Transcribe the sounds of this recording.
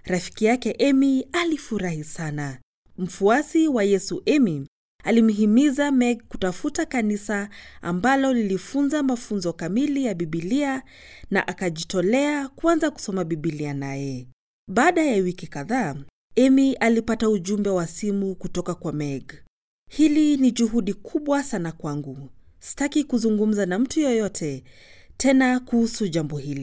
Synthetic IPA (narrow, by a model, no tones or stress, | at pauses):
ɾafi̥kijakɛʔɛmialifuɾahisana | m̩fuasiwajɛsuʔɛmi | alim̩ɦimizamɛɡ̚ku̥tafutakanisaa̰mbalɔlilifunzamafunzɔkamilijaɓiɓilia | na̰ʔakaʄitɔlɛakwanzaku̥sɔmaɓiɓilianajɛ | ɓaːɗajawikikaða | ɛmiʔalipatauʄumbɛwasimukutɔkakwamɛɡ | hiliniʄuɦuɗikʰuɓwasanakwaŋɡu | si̥takikuzuŋɡum̩zanam̩tujɔjɔtʰɛtʰɛnakuhusuʄambɔhili